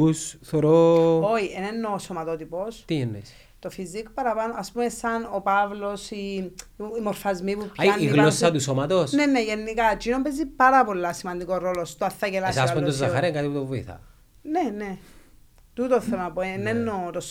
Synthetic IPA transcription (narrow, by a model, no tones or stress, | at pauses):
usθoɾooienenːoːsomɐt̪ot̪ipost̪iinːḛs | t̪o̞fizikpɐɾɐpanoɐspumesɐnopavlo̞si | imoɾfɐzmipuaiɣlosisɐt̪usomɐt̪osneneʝenːikɐt͡ʃinompezipɐɾɐpo̞lːɐsimɐnd̪ikoɾolost̪oθːɐcelassaspumt̪ozːɐxɐɾekat̪iput̪ovoḭθɐ̰ | nene | t̪ut̪oθelpoenenːot̪os